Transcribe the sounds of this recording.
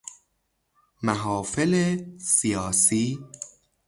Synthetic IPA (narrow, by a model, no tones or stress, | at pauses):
mæɦɒːfelesijɒːsiː